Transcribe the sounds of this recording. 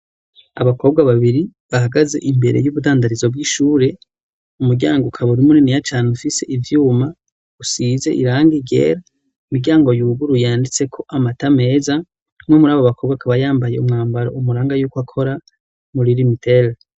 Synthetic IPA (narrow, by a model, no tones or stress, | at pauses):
a̰βako̞b̚ɡwaβaβiɾiβahaɡaze̞̰ʔimbe̞̰ɾe̞̰juβudaːndaɾizobɡiːʃuːɾe̞ | umuɾɟa̰ːŋɡokʰaβuɾimuninijataːnufise̞ʔivjuːma | usize̞̰ʔḭɾaːŋɡiɡḛːɾa | imiɡɟaːŋɡo̞juɡuɾujaːndit͡se̞kʰo̞ʔamatame̞ːza | mwemuɾaːβoβako̞ːbɡwakʰaβajaːmbajeumŋaːmbaɾo̰umuɾaːŋɡajuːkwakʰo̞ɾa | muɾiɾimitʰel